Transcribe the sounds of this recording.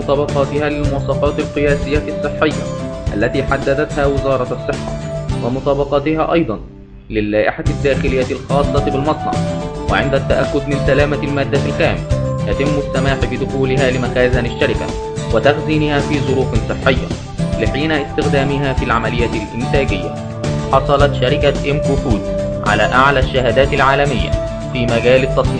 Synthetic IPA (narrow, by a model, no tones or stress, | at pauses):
ʊt̪ˤɑːbɑqɑːt̪ɪhaːlɪlmʊwɑsˤɑfɑːt̪ɪlqɨjaːsɪjːasˤːɨħːɪjːa̰ʔa̰lːæt̪iːħad̪ːæd̪at̪haːwɪzɑːɾˤɑɑsˤːɨħːa̰wɪmʊt̪ˤɑːbɑqɑːt̪ɪha̰ːʔɑjd̪ˤɑn | lɪlːaːʔɪħad̪ːaːxɪlɪjːaɪlxɑːd̪ˤlɑt̪bɪlmɑt̪ˤnɑ̰ʕwɪ̰ʕɪnd̪at̪ːaʔakːʊd̪mɪnsalaːmalmaːd̪ːaɪlkaːmɪlaj̪at̪ɪmːʊsːamaːħbɪd̪ʊxuːlɪɦaːlɪmæxaːzænɪʃːaɾɪka̰ | wɪt̪axziːnɪhæːfiːzˤʊɾuːfɪnsˤɨħːɪjːa̰ | lɪħiːnaʔɪst̪ɪxd̪æːmɪɦaːfiːlʕamælɪjːaːt̪ɪlʔɪmt̪æːɡɪjːæ̰ | ħɑsˤɑlɑt̪ʃaɾɪkaʔɪmʔuːfuːd̪ | ʕa̰læːʔaʕlæːʃːaɦæːd̪æːt̪ɪlʕaːlæmɪjːæ̰ | fiːmæɡæːlɪt̪ːɑt̪ˤiː